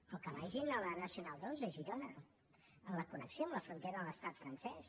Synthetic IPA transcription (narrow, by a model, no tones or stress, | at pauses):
əlˠkəβaʒinələnəsiunalˠd̪ozəʒiɾɔnə | ələkunə̰ksjoəmləfɾunt̪ɛɾəðələst̪at̪fɾənsɛs